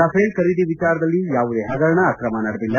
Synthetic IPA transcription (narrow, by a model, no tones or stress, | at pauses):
ɐpʰeːlkɐɾid̪iʋit͡ʃaːɾɐd̪ɐlːijaːʋud̪eːɦɐɡɐɾɐɳɐːkɾɐmɐnɐɽɐd̪ilːɐ